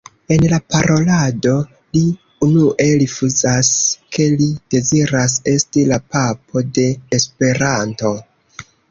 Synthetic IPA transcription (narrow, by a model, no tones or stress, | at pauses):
e̞nlapaɾo̞lado̞ | li | unuʔe̞ɾifuzaskʰe̞lid̥e̞ziɾas̬e̞stilapapʰo̞de̞ːspe̞ɾanto̞